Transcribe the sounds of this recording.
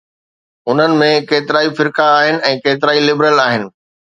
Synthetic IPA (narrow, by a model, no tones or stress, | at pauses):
ʊn̤ənɪ̆mẽkeːt̪ɪɾaːifɪɾkaːɦɪnɪ̆ɛ̃ːkeːt̪ɪɾaːilɪbɾəlaːɦɪnɪ̆